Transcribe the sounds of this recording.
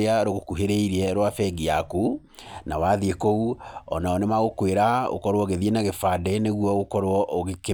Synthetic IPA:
eaɾoɣokuɦeɾeiɾiɛɾwafɛɡiaku | nawaðiekouɔ̰naɔnemaɣokweɾao̰kɔɾwɔɣeðienaɣefadɛneɣwɔɣokɔɾwɔʔoɣeke

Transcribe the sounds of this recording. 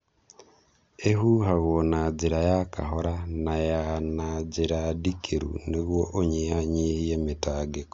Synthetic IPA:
eɦuɦaɣonad͡ʒeɾajaka̰ɦoɾanajanad͡ʒeɾadikʰeɾṵneɣwoʔoɲehaɲihiemetaːɡeko̥

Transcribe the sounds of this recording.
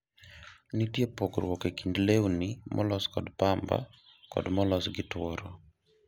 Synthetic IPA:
nitjepoɡɾwɔkekindlewnimʔɔ̰lɔskɔdpamba̰ | kɔ̰dmɔlɔsɡɪtwɔɾo

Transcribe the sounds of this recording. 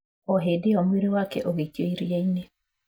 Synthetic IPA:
ɔɦedeɔmweɾewakɛʔoɣekioiɾieine

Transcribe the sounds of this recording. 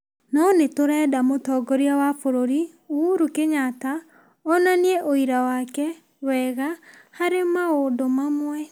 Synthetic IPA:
nɔnetoɾɛːdamotɔɡɔɾiawafoɾoɾi | uɾukeɲata | ɔnanieʔoiɾawaːkɛ | wɛːɣahaɾemaodomamwɛ

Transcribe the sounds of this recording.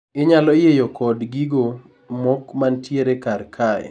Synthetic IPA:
ɪɲalɔjejɔkɔdɡiɡo | mɔkmantjeɾekarkʰajɛ̰

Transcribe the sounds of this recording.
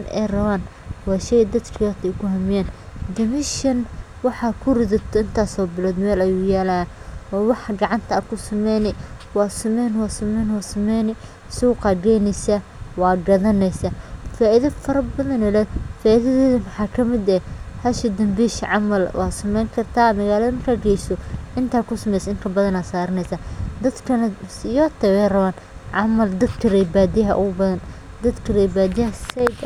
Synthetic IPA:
nɛ̰jrɐβaːnwɑːʃɛjd̪ɐd̪kʰɐɐt̪ʰɛkʰʊɦɐmɪjaːnd̪ɪmɪʃɐnwɑħɑkʰʊrɪðɐt̪ʰɔɪnt̪ʰaːsɔːbɪlɔːd̪mɛːlɐjuːjaːlaanɔːwɑħɡɑʕɑnt̪ʰɐakʰʊsɐmɛjnɛwɑːsɐmɛːnwɑːsɐmɛːnwɑːsɐmɛjnɛ | suɣʊqɑːɡɛnɛsɐwɑːɡɐðɐnɛjsɐfaːʔɪðɐfɐɾɐbɐðɐnɛlɛdfaːʔiðɐðɛːðɐmɐħɑːkʰɐmɪd̪ɛhɐʃɪd̪ɐmbiːʃʕɑmɐlwʔɑ̰ːsɐmɛjŋkʰɐrt̪ʰaːmɐɣaːlɐðɐmɐrkʰaːɡɛjsɔʔɪnt̪ʰaːkʰʊsɐmɛjsɪŋk̪ʰɐbɐðɐnaːsaːɾɪnɛjsaːd̪ɐd̪kʰɐnɐsɪjɔːt̪ʰɛwɛjrɐβaːn | ʕɑmɐld̪ɐd̪kʰɐrɛjbaːd̪ɪɦɐ̰ʔʊɣʊbɐðɐn | d̪ɐd̪kʰɐrɛjbaːd̪ɐsɛ

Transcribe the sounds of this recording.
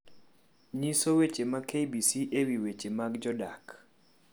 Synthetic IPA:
ɲisowet͡ʃemakejbisiʔewiwet͡ʃemakd͡ʒɔdak

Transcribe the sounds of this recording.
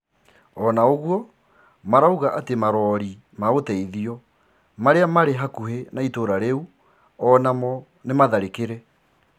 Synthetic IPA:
ɔnaoɣwɔ | maɾauɣaʔatemaɾɔɾi | maotɛiðiɔ | maɾeamaɾeɦakuhenaitoɾaɾeu | ɔnamɔ | nemaðaɾekeɾe

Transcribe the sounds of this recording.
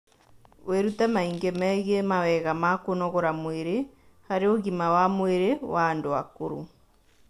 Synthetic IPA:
weɾutamaiŋɡemɛɣemawɛɣamakonɔɣoɾamweɾe | haɾeoɣimawamweɾewaːndoa̰koɾṵ

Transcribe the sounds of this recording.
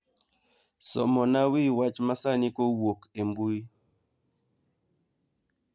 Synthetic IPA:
sɔ̰mɔnawiwat͡ʃmasanikɔwokembui

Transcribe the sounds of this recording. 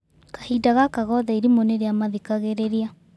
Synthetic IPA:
kḁhidaɣakaɣɔðaiɾimoneɾeamaðikaɣeɾeɾia

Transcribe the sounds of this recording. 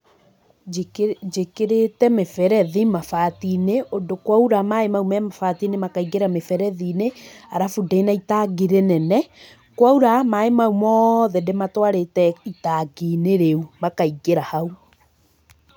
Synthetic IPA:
d͡ʒekeɾetɛmefɛɾɛðimafatineodokwauɾamaemaumɛmafatinemakaiɡeɾamefɛɾɛðineaɾafudainaitaɡiɾenɛnɛ | kwauɾamaemaumɔðɛdematwaɾetɛitaɡineɾeumakaiɡeɾahau

